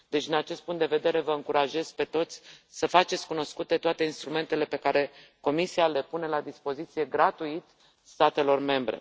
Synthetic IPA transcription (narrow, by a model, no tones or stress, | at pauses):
d̪̥e̞t͡ʃd̪inat͡ʃest̪̚puŋkt̪d̪e̞ve̞d̪e̞ɾe̞vəɨŋkuɾaʒe̞z̥pe̞t̪o̞t̪sʲsəfat͡ʃet̪sʲkuno̞skut̪e̞t̪oat̪e̞inst̪ɾume̞nt̪e̞le̞pe̞kaɾe̞ko̞misiale̞pune̞lad̪ispo̞zit̪sije̞ɡɾat̪uit̪ | st̪at̪e̞lo̞rme̞mbɾe̞̰